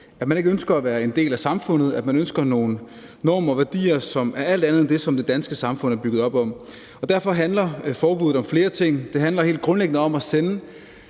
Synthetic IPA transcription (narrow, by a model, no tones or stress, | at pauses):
æd̥mæne̝ɡ̥əønsɡ̥ɐæʋæːɐe̝nd̥e̝̰ːlæsɑ̈mfɔ̽n̰ð̞̩ˠæd̥mænønsɡ̥ɐno̝ːnː | ɒ̰ːmɒʋæɐd̥ḭːɐsɒ̽mæɐæl̰d̥ænðˠend̥e̝sɒ̽md̥e̝d̥ænsɡ̥əsɑ̈mfɔ̽n̰ˠæɐb̥yɡ̥ð̩ˠɒ̽b̥ɒ̽m̰ | ɒ̽d̥æɐ̰fɒ̽ɦænlɐfɒːb̥uð̩ˠɒ̽mfle̝ːɐt͡sʰe̝ŋ̰d̥e̝ɦænlɐɦe̝̰ːld̥̚ɡ̥ʁɔ̽nleɡ̥ənəɒ̽mæsenə